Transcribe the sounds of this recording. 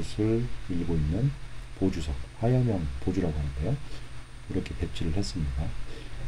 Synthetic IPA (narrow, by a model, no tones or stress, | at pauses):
ɯsʰɯɭiɭɡoinːɯnpod͡ʑusʰʌk̚hajʌmjʌŋpod͡ʑuɾaɡoɦanɯndʌjo | iɾʌkʰe̞pe̞t͡ɕʰiɾɯɭhe̞s͈ɯmɲida